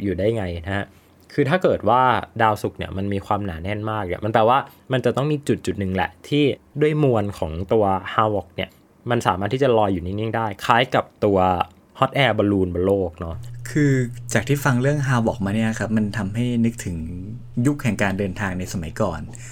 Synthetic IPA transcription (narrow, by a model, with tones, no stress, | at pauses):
juː˨˩daː˥˩jŋa˧jna˦˥ha˦˥ | kʰɯː˧t̪ʰaː˥˩kɤː˨˩t̪̚waː˥˩daː˧wsu˨˩k̚nḭ˦˥˩ɐma˧nmiː˧kʰwaː˧mnaː˩˦nɛ˥˩nmaː˥˩k̚nɛ̰˧˥˩ma˧npɛː˨˩waː˥˩ | ma˧nt͡ɕa˨˩t̪ɔ˥˩ŋmiː˧t͡ɕu˨˩t̪̚t͡ɕu˨˩t̪̚nɯ˨˩ŋlɛ̰˨˩ʔt̪ʰiː˥˩du˥˩əjmu˧ənkʰɔː˩˦ŋt̪u˧ɐhaː˧wɔ˨˩k̚ni˥˩ɐ | ma˧nsaː˨˩˦ma˥t̪ːʰiː˥˩t͡ɕa˩lɔː˧jːuː˨˩niː˥˩ni˥˩ŋdaː˥˩jkʰaː˦˥jka˨˩p̚t̪u˧ɐ | hɔ˦˥t̪̚ʔɛː˧bɔː˧luː˧nbɔː˧loː˥˩k̚nɔ˦˥kʰɯː˧t͡ɕaː˨˩k̚t̪ʰiː˥˩fa˧ŋɾɯ˥˩əŋɦaː˧wɔː˨˩k̚maː˧ni˥ɐla˨˩kʰa˦˥p̚ma˧nt̪ʰa˧mɦa˥˩jnɯ˦˥k̚t̪ʰɯ˩˦ŋ | ju˦˥k̚hɛ˨˩ŋkaː˧ndɤː˧nt̪ʰaː˧ŋna˧jsa˧ma˨˩˦jkɔː˨˩n